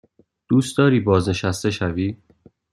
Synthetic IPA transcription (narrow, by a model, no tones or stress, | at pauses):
d̪̥uːst̪d̪ɒːɾiːbɒːzne̞ʃæst̪e̞ʃæviː